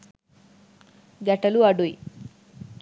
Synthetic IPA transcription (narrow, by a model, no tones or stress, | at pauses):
ɡɐʈɐluɐɖuj